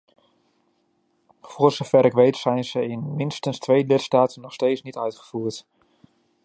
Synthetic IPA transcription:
fʊərzofɛɾɪkʋejtsɛjnz̥əɪnmɪnstənstʋeːlɪtstaːtənːɔxsteːt͡ssnitœɥtχə̥fuːərt

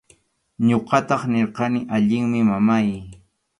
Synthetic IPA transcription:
ɲoqɑt̪ɑχneɾqɑnɪʔaʎɪŋmɪmamaj

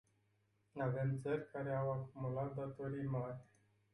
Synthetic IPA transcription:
avemd̪t̪sərʲkaɾeawakumulat̪̚d̪at̪oɾijmarʲ

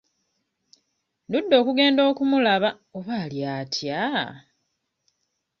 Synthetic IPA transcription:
ndudːo̞ːkuɡe̞ːndo̞ːkumulaβa | oβaːljaːtʰja

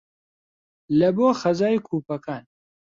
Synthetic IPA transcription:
lɐboːxɐzaːjikʰuːpɐkʰaːn

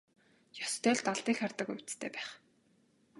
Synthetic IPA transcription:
jɔst̪ʰœːɮt̪aɮt̪iːŋxarʲt̪ə̆kujʊ̥t͡st̪ʰeːpæːχ

